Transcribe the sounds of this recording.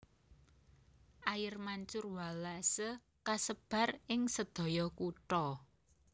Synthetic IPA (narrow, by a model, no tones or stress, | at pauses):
ʔajɪrmaɲt͡ʃʊrwalasə | kasəb̥a̤rɪŋsəd̪̥oɔ̤jɔkuʈɔ